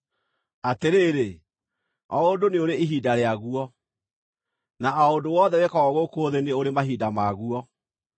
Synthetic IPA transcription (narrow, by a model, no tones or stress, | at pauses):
ateɾeːɾe | ɔondoneoɾeiɦiːdaɾeaɣuɔ | naɔondowɔðɛwekɔɣɔɣokoðeneoɾemaɦidamaɣuɔ